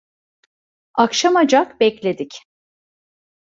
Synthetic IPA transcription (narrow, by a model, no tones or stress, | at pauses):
akʃamad͡ʒakbɛclʲe̞d̪ic